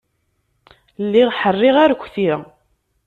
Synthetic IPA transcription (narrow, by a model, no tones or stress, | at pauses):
lːiʁħərˤːɪʁaɾkʷːθiɾ